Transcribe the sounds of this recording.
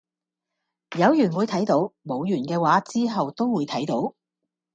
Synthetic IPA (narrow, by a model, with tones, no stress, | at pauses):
jɐ˨˧wjyː˨˩nwuː˨˧jt̪ʰɐ˨˥jt̪o˨˥wmo˨˧wjyː˨˩nkɛː˧waː˨˥t͡siː˥ɦɐ˨wt̪o˥wwuː˨˧jt̪ʰɐ˨˥jt̪o˨˥w